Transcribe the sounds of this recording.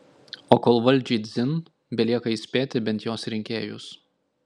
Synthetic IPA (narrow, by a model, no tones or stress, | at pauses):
oːkoːlˠʋɐlʲˑd͡ʒʲɛd̪zʲɪn | bʲɛlʲiɛkɐisʲpʲeːt̪ʲɪbʲɛnʲt̪joːsɾʲɪŋʲkʲeːjʊ̰s